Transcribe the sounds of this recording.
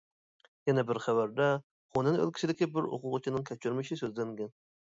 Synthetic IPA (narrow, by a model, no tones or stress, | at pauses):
jɛnɛbɪɾχæwæɾd̪ɛ | χonɪnø̰lˠkʲʰɪ̥t͡ʃʰid̪ɪkʲɪbɪɾo̰qʊʁt͡ʃʰinɪŋkʲʰæt͡ʃʰyɾmɪʃɪsøzlæŋɡʲɛn